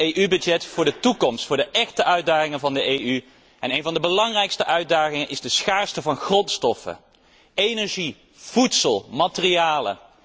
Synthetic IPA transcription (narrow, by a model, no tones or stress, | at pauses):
ejʔybɵd͡ʒɛtfʊːɹdətukɔmstfʊːɹdəʔɛχtəʔœɥdaːχɪŋənvɑndəʔejy | ɛnejnvɑndəbəlɑŋrɛjkstəʔœɥd̚daːχɪŋənʔɪzdəsχaːɹstəvɑnχrɔntstɔfə̰ | ejnɛɹʒi | v̥utsəlˠmatərijaːlə̰